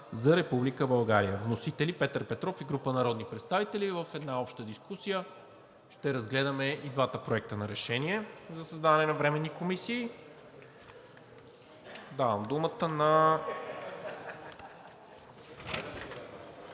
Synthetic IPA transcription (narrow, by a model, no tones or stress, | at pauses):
zɐɾɛpublikəbɐlˠɡaɾijəvnosit̪ɛlipɛt̪əɾpɛt̪ɾɔfiɡɾupənɐɾɔd̪nipɾɛt̪st̪avit̪ɛlivəfɛd̪naɔpʃt̪əd̪iskusijə | ʃt̪ɛɾɐzɡlɛd̪əmɛid̪vat̪əpɾoɛk̚t̪ənɐɾɛʃɛniɛzɐsəzd̪aɐnɛnɐvɾɛmɛnːikomisiː | d̪avəmd̪umət̪ənɐ